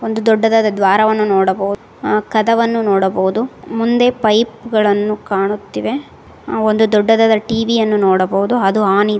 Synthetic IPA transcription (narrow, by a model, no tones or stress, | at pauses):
ond̪ud̪ɔɖːɐd̪ad̪ɐd̪ʋaːɾɐʋɐnːunoːɽɐbɐɦu | kɐd̪ɐʋɐnːunɔːɽɐbɐɦud̪umund̪e̞pɐjpɡɐɭɐnːukaːɳut̪ːiʋe̞ | ond̪ud̪ɔɖːɐd̪aːd̪ɐʈiːʋijɐnːunoːɽɐbɐʋud̪uɐd̪uaːni